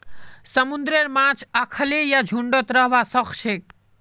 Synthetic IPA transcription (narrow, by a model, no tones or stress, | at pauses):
səmund̪ɾeɾmãt͡ʃʰakʰəlejad͡ʒʱuɳɖɔt̪ɾəɦʋasəkʃʰek